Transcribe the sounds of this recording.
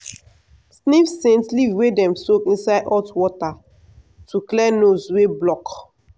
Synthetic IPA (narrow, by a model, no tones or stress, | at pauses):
snifsẽntlivwedɛ̃msokĩnsaɪdɔtwɔta | tʰuklɛnosweblɔk